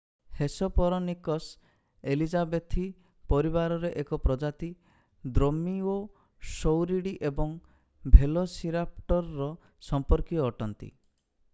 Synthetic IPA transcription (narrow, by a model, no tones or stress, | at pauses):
hesɔpɔɾɔnikɔs | elid͡ʒabet̪ʰi | pɔɾibaɾɔɾeʔekɔpɾɔd͡ʒat̪i | d̪ɾomio | sowɾiɽiʔebɔŋ | bʱelosiɾapʈɔɾːɔ | sɔmpɔɾkiɔːʈʰɔnt̪ḭ